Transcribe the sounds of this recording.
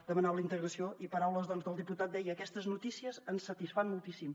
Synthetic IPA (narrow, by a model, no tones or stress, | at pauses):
d̪əmənaβləint̪əɣɾəsioʔipəɾawləzðɔnzðəlˠd̪iput̪at̪̚d̪ɛjəːkɛst̪əznut̪isiəzənsət̪isfanmulˠt̪isim